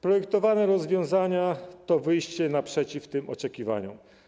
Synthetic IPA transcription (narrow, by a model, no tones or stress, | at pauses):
pɾɔjɛkt̪ɔvanɛɾɔzvʲjɔ̃w̃zaɲat̪ɔvɘjɕt͡ɕɛnapʂɛt͡ɕift̪ɘmʔɔ̰t͡ʂɛkʲiva̰ɲṵ